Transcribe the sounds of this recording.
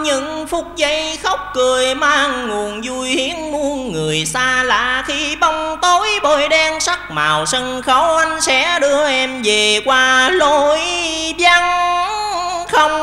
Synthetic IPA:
ɲɨ̰˧˥ŋfʊ˨˧˩t̚zə˧˦jxə˦˥wk͡p̚kɨ˨˩əjmaː˧ŋŋu˨˩ənzu˧jhi˨˦ənmu˧ənːɨ˨˩əjsaː˧la̰ː˨˩xi˧ɓa˧wŋ͡mt̪o˧˦jɓo˧˨jɗɛ˧nsa˦˥k̚ma̰ː˨˩wsə˧nxə˨˦wʔa˧jŋ̟sɛ̰˧˥ɗɨ˧əʔɛ˧mve˨˩kwaː˧lo˧˦jɓja˧ŋ | xə˧wŋ͡m

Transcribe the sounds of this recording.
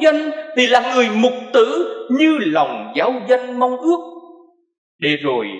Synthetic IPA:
zə˧nt̪ʰi˨˩laː˨˩ŋɨ˨˩əjmʊ˨˩k͡p̚t̪ɨ̰˧˥ɲɨ˧la˨˩wŋ͡mzaː˨˦wzə˧nma˧wŋ͡mʔɨ˦˥ək̚ | ɗe˨˩zo˨˩j

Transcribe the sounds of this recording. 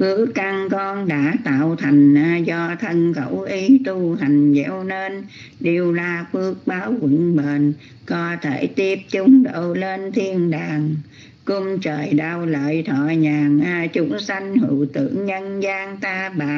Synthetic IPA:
kɨ˨˦əkːa˧˩ŋkɔ˧nɗa̰ː˧˥t̪a̰ː˧˨wt̪ʰa˨˩jŋ̟˧zɔ˧t̪ʰə˧nkə˧˩wʔi˨˦t̪u˧ɦa˨˩jŋ̟zɛ̰˧˥wne˧n | ɗi˨˩əwlaː˧˨˩kɨ˦˥ək̚ɓaː˨˦wkə̰˧˨nɓe˧˨˩n | kɔ˨˦t̪ʰe˧˩t̪i˧˥əp̚t͡ɕʊ˧˦ŋ͡mɗo̰˧˨le˧nt̪ʰi˧ənɗaː˨˩ŋ | kʊ˧ŋ͡mmt͡ɕəː˨˩jɗaː˧wlə̰ː˧˨jt̪ʰɔː˧˨ɲaː˨˩ŋ˧t͡ɕu˧˥nsa˧jŋ̟hɨ̰˧˨wt̪ɨ̰˧˩əŋɲə˧nzaː˧ŋt̪aː˧ɓaː˨˩

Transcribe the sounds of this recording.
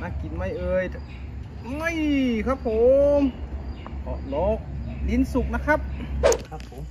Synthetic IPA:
na˧˥˩ki˨˦nma˧˩jʔɤː˧j | ʔa˧˥˩jkʰa˦˥p̚ʰːo˨˦m | kʰɔ̰˧˩lɔː˦˥k̚li˧˥˨nsu˨˩k̚na˦˥kʰa˦˥p̚kʰa˦˧pʰːo˨˦m

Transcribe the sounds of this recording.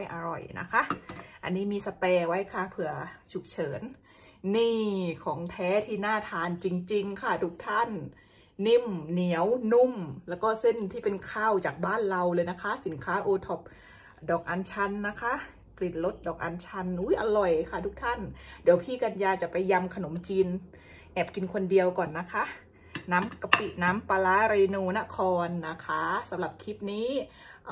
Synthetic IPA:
a˥˩jʔa˧ɾɔ̰˨˩jna̰˦˥kʰa˦˥ʔʔa̰˧nːiː˦˥miː˧sa˧pɛː˧wa˦˥jkʰa˥˩pʰɯ˧˩ɐt͡ɕʰu˨˩k̚t͡ɕʰɤː˩˦nː | iː˥˩kʰɔː˩˦ŋt̪ʰɛː˦˥t̪ʰiː˥˩naː˥˩t̪ʰaː˧nt͡ɕi˧ŋt͡ɕi˧ŋkʰa˧˥˩t̪ʰu˦˥k̚t̪ʰa˥˩nː | i˥˩mni˨˩˦əwnu˥˩mlɛː˦˥wkɔː˥˩se˥˩nt̪ʰiː˥˩pe˧nkʰaː˧˥˩wt͡ɕaː˨˩k̚baː˥˩nɾa˧wlɤː˧jna˦˥kʰa˦˥si˩˦nkʰaː˦˥ʔoː˧t̪ʰɔ˨˩p̚ | dɔː˨˩k̚ʔa˧nt͡ɕʰa˧nːa˦˥kʰa˦˥ | pli˨˩nlo˦˥t̪̚dɔː˨˩k̚ʔa˧nt͡ɕʰa˧nʔuː˦˥jʔa˧lɔ˨˩jkʰa˧˥˩t̪ʰu˦˥k̚t̪ʰa˧˥˨ndi˨˦əwpʰiː˧˩ka˧njaː˧t͡ɕa˨˩pa˧jːa˧mkʰa˧no˩˦mt͡ɕiː˧n | ʔɛː˨˩p̚ki˧nkʰo˧ndi˧əwkɔː˨˩nːa˦˥kʰa˦˥ʔ | naː˦˥mka˧pi˧˩ʔnaː˦˥mpaː˧laː˦˥ɾeː˧nuː˧na˧˥ʔkʰɔː˧nːa˦˥kʰa˦˥sa˨˦mla˨˩p̚kʰi˦˥p̚niː˦˥˨

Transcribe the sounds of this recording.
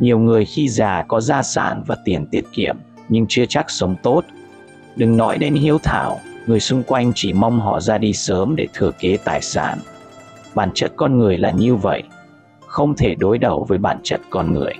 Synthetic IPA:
ɲi˨˩əwŋɨ˨˩əjxi˧zaː˨˩kɔ˨˦zaː˧sa̰ː˧˩nvaː˨˩t̪i˨˩ənt̪i˦˥ət̚kḭ˧˨əm | ɲɨ˧ŋt͡ɕɨ˧ət͡ɕa˦˥k̚sə˨˦wŋ͡mt̪o˦˥t̚ | ɗɨ˨˩ŋnɔ˨˦jɗe˨˦nhi˨˦əwt̪ʰa̰ː˧˩wŋɨ˨˩əjsʊ˧ŋ͡mkwa˧jŋ̟t͡ɕi˧˩ma˧wŋ͡mɦɔ̰˧˩zaː˧ɗi˧səː˨˦mɗe˧˩t̪ʰɨ˧˩əke˨˦t̪a̰ː˨˩jsa̰ː˧˩n | ɓaː˧˩nt͡ɕə˦˥t̚kɔ˧nŋɨ˨˩əjlaː˨˩ɲɨ˧və̰˧˨j | xə˧wŋ͡mt̪ʰe˧˩ɗo˨˦jɗə˨˩wvəː˨˦jɓa̰ː˧˩nt͡ɕə˦˥t̚kɔ˧nŋɨ̰˨˩əj

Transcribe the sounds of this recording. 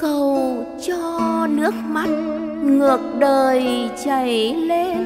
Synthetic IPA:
kə˨˩wt͡ɕɔ˧nɨ˦˥ək̚ma˦˥t̚ŋɨ˨˩ək̚ɗəː˨˩jt͡ɕa˨˩jle˧

